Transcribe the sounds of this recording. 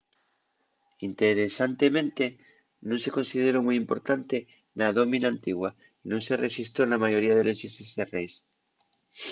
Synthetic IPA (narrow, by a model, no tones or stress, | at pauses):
int̪eɾesant̪e̞mẽ̞nt̪e | nõnse̞ko̞nsið̞eɾomujimpo̞ɾt̪ant̪e | naðo̞mĩnaːnt̪iɣwa | inũŋse̞resist̪onamaʝo̞ɾiaðelesiseserejs